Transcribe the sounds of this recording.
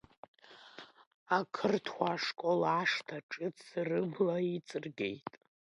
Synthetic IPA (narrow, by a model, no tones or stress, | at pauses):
akʰɨrtʰwʷaʂkʼolaʂtʰaʈ͡ʂʼɨt͡sʰsrɨblait͡sʼɨrɡʲe̞̰jtʼ